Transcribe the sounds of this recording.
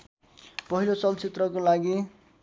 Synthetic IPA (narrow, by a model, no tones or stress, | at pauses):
pʌɦilot͡sʌlt͡sit̪rʌkolaɡi